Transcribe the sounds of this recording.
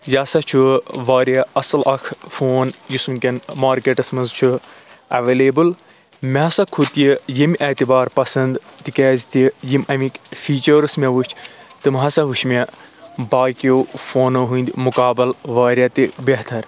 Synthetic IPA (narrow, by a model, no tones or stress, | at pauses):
jasɐt͡ʃʰuʋaːɾʲjaɐsɐlɐkʰfoːnjisumkʲɐnmaːɾkeːʈɐsmɐnzt͡ʃʰu | ɐʋeːleːbɨl | mʲeɐsɐkʰut̪jijimʲʔɐt̪ibaːɾpɐsɐnd̪t̪ikeːzt̪ijimɐmikfiːt͡ʃəɾɨsmʲeʋut͡ʃʰt̪ɨmɦɐsɐʋuʃmʲe | baːkjowfoːnoɦund̪ʲmukaːbɨlʋaːɾʲjat̪ibeɦt̪ʰɐɾ